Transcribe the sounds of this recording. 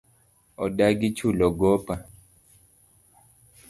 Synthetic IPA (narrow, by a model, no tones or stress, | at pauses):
ɔ̰daɡit͡ʃulɔɡɔpa